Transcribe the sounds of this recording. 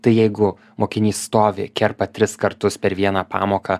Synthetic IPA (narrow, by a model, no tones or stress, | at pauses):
t̪ɐɪjɛɪɡʊ | moːkʲɪnʲiːsst̪oːʋʲɪ̰kʲɛrpɐt̪ʲɾʲɪskɐɾt̪ʊspʲɛɾʋʲiɛnɑːpɑ̰ːmoːkɐ